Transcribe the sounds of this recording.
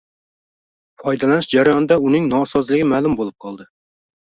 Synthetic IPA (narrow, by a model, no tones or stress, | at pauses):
fɒjd̪ɛlænɪʃd͡ʒaɾɑjɒnɨd̪ɑunɪŋnɒsɑzlɪɡʲɪmælˠʊmbolˠɨp̚qʰɑlˠd̪ɨ